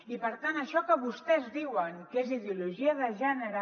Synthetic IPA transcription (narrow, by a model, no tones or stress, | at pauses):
ipəɾt̪anəʃɔkəβust̪ɛzðiwəŋkeziðiuluʒiəðəʒɛnəɾə